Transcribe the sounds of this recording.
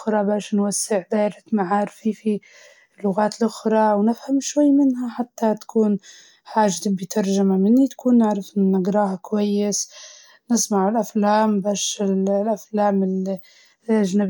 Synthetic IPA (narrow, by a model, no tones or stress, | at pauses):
ɾˤɑbaːʃnwasːɪʕd̪eːɾɪmaʕaːɾfifi | lːʊɣaːt̪lʔʊxɾˤɑwnɪfhamʃwajːmɪnɦaħat̪ːat̪ḁkʰuːn | ħaːʒt̪ɪbːit̪ʰɑɾˤʒamamɪnːit̪ḁkʰuːnːɪʕɾɪfʔɪnːaɡɾˤɑːhakwajːɪs | nɪsˤmaʕɪlʔaflaːmbaːʃɪllʔaflaːmɪli | ʔaʒnab